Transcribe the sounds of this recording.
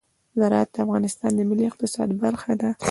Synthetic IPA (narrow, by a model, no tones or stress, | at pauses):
zaɾɑat̪̚d̪əafɣɑnɪst̪ɑnd̪əmɪliɪq̚t̪ɪsɑ̰d̪baɾxad̪a